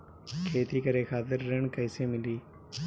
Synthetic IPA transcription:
kʰeːt̪iːkəɾeːkʰaːt̪̬ɪɾːəɳkəɪseːmɪliː

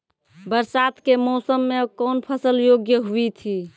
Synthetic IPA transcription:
bəɾsat̪kemɔsəmːekɔːnpʰəsəljoɡjəɦuit̪ʰi

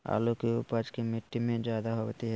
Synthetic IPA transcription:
a̰ːlokiupad͡ʒkimɪʈːimẽd͡ʒjaːd̪aɦoʋt̪iɦɛ

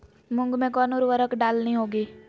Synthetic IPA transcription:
mʊ̃ŋɡmẽkɔːnoːɾʋəɾəkɖaːlniɦoːɡiː

